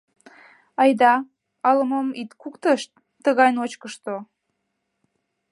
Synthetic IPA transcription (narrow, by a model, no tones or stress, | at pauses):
ɑjd̪ɑ | ɑləmomit̪kukt̪əʃt̪̚ːəɣɑjnot͡ɕkəʃt̪o